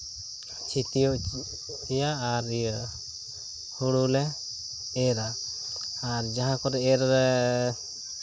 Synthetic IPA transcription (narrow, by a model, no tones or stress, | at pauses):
t͡ʃʰit̪ijɔʔ | ɛjaaɾ | huɽulɛ | eɾa | aɾd͡ʒaɦãkɔɾɛɛɾɾɛ